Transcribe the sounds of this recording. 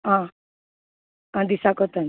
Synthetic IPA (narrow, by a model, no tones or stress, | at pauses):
ɦã | ãd̪isakɔt̪an